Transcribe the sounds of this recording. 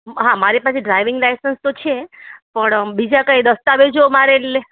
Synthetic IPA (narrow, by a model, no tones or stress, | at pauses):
ɦãmaɾipasʰeɖɾajʋɪ̃ŋɡlajsənst̪ot͡ʃʰepəɳbid͡ʒakəjd̪əst̪aʋed͡ʒomaɾele